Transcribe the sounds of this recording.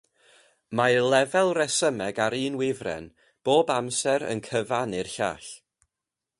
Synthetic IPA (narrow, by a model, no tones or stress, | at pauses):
malˠɛvɛlˠrɛsəmɛɡaɾɨːnwɪvrɛ̰n | b̥oːbamsɛɾə̰nkʰəvanɪrɬa̰ːɬ